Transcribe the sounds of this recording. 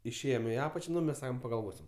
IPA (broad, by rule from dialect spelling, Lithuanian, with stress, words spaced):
ɪʃʲˈeːjoːm ɪ ˈɑːpɐt͡ʃʲɛ ˈnʊ mʲɛs ˈsɑːkoːm pɐɡɐlˠˈʋoːsʲɪm